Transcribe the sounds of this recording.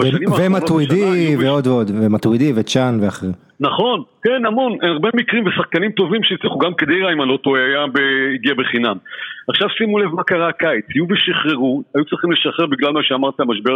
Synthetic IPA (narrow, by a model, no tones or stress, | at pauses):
veʃanimvemat̪widiveo̞d̪veo̞d̪vemat̪wid̪ivet͡ʃanveaχeʁi | naχo̞nke̞namo̞nʔenaʁbe̞mikʁimvesaχkanimt̪o̞vimʃeit͡sliχuɡamked̪ejʁaimalo̞t̪oeajabeiɡiabeχinamaχʃavsimule̞vmakaʁakait͡shijuveʃiχʁeʁuajut͡sʁiχimle̞ʃaχeʁbiɡlalmaʃeamaʁt̪aamaʃbe